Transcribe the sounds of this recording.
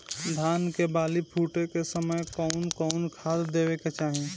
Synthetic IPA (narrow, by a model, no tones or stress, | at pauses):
d̪ʱaːnkebaːlipʰuːʈekesəməjkɔʊnkɔnkʰaːd̪d̪eːweket͡ʃaːɦĩ